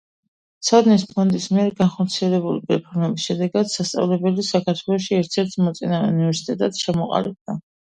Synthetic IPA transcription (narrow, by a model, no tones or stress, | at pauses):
t̪sʰad̪nispʰɔnd̪ismiɛɾɡanχɔɾt̪sʰiɛlɛbulipʼɾɛpʰɔɾmɛbisʃɛd̪ɛɡad̪sast̪sʼa̰vlɛbɛlisakʰaɾt̪ʰwɛlˠɔʃiɛɾt̪ʰsɛɾt̪ʰmɔt̪sʼinavɛunivɛɾsi̥t̪ʼɛt̪ʼat̪ʃʰɛmɔqʼa̰lib̚d̪a